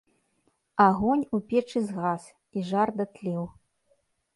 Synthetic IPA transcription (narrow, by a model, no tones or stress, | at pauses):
aɣɔnʲupʲɛt͡ʂɨzɣas | iʐard̪ɐt̪lʲɛw